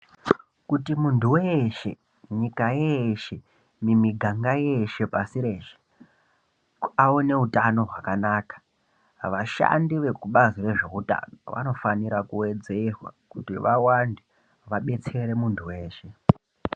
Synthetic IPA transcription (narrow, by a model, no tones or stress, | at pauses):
kutimuntuweʃe̞ | ɲikajeʃe̞ | mimiɡʱaŋɡaje̞ʃe̞pasiɾe̞ːʃe̥ | aone̞utano̞ɦwakanaːkḁ | ʋaʃa̰ndiʋe̞kuɓazire̞ʐe̞uta̰noʋa̰no̞faniɾakuwe̞d͡ze̞rwa̰kutiʋawande | ʋaɓe̞t͡se̞ɾe̞muntʰuwe̞ːʃe̞